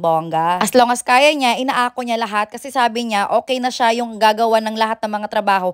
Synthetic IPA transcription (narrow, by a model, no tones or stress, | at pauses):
boŋɡɐʔɐsloŋɐskaːjɐɲaʔɪnaːʔaːkoɲalɐɦat̪̚kɐsɛsaːbɪɲaʔo̞ːkɛjnɐʃajʊŋɡaːɡɐwanɐŋlɐhat̪̚nɐŋmɐŋat̪ɾɐbaːho̞